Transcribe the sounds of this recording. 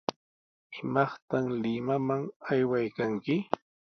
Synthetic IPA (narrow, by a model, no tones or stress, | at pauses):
ɪmɑχt̪amlɪmamaŋajwajkaŋkɪ